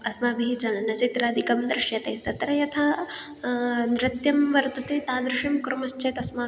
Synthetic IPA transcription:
ɐsmaːbiɦit͡ʃɐnnɐt͡ʃit̪ɾaːd̪ikɐmd̪ɾɪʂjɐt̪eːt̪ɐt̪ɾɐjɐt̪ʰɐ | nɾɪt̪jɐmʋɐɾt̪ɐt̪ʰit̪aːd̪ɾɪʂimkɾɐmɐst͡ʃeːt̪ɐsmaː

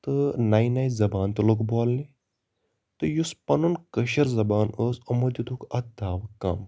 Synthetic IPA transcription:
t̪ɨnaːjnaːjzɐbaːnt̪ɨlokboːlni | t̪ɨjuspɐnunkɐʃɐɾzɐbaːnəːsɐmɐd̪it̪ukɐt̪̚d̪ʱaːʋkɐm

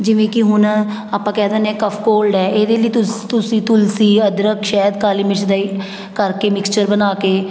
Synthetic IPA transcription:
d͡ʒɪʋẽːkɪɦʊn | aːpːãːkɛːd̪ãːnɛ̃ːkəpʰkoːlɖɛːeːd̪eːləiːt̪ʊt̪ʊsĩːt̪ʊlsiːəd̪ɾəkʃɛːd̪kaːliːmɪt͡ʃʰd̪aːiː | kəɾkeːmɪkst͡ʃəɾbənaːkeː

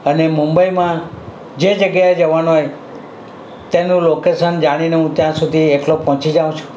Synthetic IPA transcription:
ənemũmbəimã | d͡ʒed͡ʒəɡjaed͡ʒəʋanuɦoj | t̪enũlokeʃənd͡ʒaɽ̃ineɦũt̪jãsud̪ʱieʈlopɦɔ̃t͡ʃid͡ʒaʋũt͡ʃʰũ̥

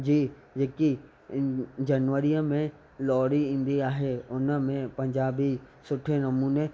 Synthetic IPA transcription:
d͡ʑiː | d͡ʑeːki | d͡ʑɐnʋəɾiəmẽ | lɔːɽiĩːn̆d̪iaːɦeʊnəmẽpɐ̃ɲd͡ʑaːbisʊʈʰenɐmuːne

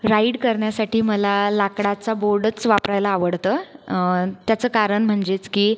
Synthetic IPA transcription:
ɾaiɽkəɾɳjasaʈiːməlalakɽat͡saboɾɽət͡sʋapɾajlaːʋəɽt̪əː | t̪jat͡səːkaɾəɳm̤əɳd͡ʑet͡skiː

